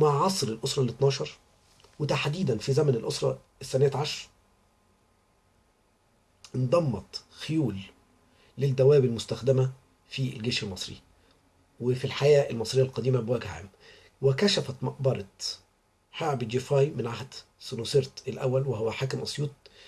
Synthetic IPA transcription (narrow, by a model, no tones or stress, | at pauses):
maʕʕɑsˤɾɪlʔosɾˤɑlet̪nɑːʃɑɾˤ | wet̪aħd̪iːd̪ænfizæmænɪlʔosɾˤɑ̰ | esːænæːt̪ʕɑʃɾˤ | ʔɪnd̪ˤɑmːɑt̪xejuːlː | ɪd̪ːæwæːbelmʊst̪æxd̪æmæ | fḭlɡeːʃelmɑsˤɾḭ | wefilħajæːʔɪlmɑsˤɾejːælqɑd̪iːmæbwæːɡʕæ̰m | wɪkæʃæfæt̪mɑʔbɑɾˤɑ | ħeʕbd͡ʒifɑːjmɪnʕahd̪ | sunoseɾt̪elʔæ̰wːælweɦowːæħaːkɪmʔɑsˤjuːt̪̚